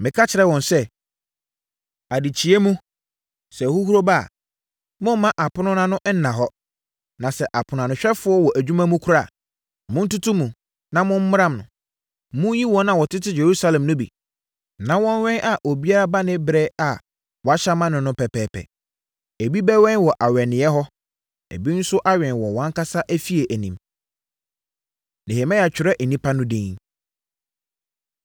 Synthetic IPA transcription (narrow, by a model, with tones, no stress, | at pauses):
mɪ̃˨kʰa˦t͡ɕʰɪ˨ɾɛ˦wɔ̃˨nsɛ˦ | a˨di˨t͡ɕʰi˨e˦mũ˦ | sɛ˨hu˦hu˦ɾo˦ba̰ː˦˨ | mʊ̃˦m˦mã˦ʔa˨pʰʊ˦nʊ̃˦nã˦nʊ̃˦ʔn̩˦nã˨ɦɔ˦ | nã˨sɛ˨ʔa˨pʰʊ˨n˨ã˨nʊ̃˨ɕᶣɛ˦fʊ˦ɔ˦wɔ˨ʔæ˨d͡ʑᶣu˦mã˦mũ˦kʰʊ˦ɾa˦˨ | mʊ̃˦n̩˦tu˦tʰũ˦mũ˨ | nã˨mʊ̃˦m̩˦mʊ˦ɾã˦˨mnʊ̰̃˨ | mʊ̃˦ji˦wɔ̃˦nã˨wɔ˨tʰɪ˦tʰɪ˦je˨ɾu˦sa˦lɛ̃˨mnʊ̃˦bḭ˨ | nã˦wɔ̃˦n˦ɥɛ̃˦nʔa˨ʔo˨bi˦a˦ɾa˦ba˦nɪ̃˦bɾɛ˦a˨ | wɔ˨a˦ɕa˦mã˦nʊ̃˨nʊ̃˦pʰɛ˨pɛː˨pʰɛ̰˨ | e˨bi˦bɛ˦wɛ̃˦n˦wɔ˨ʔa˨ɥɛ˨nɪ̃˨˦ɛ˦ɦɔ˦ | ḛ˨bi˦n̩˦sʊ˦ʔa˦ɥɛ̃˨nwɔ˨wɔ̃˨˦ŋ˦ka˦sa˦ʔæ˦fi˦e˨ʔæ˨nĩ˨m | ne˨he˨mɛ̃˦ja˨t͡ɕᶣɪ˨ɾɛ˦ʔ̩˨nĩ˦pʰa˦nʊ̃˦dẽ˦ŋ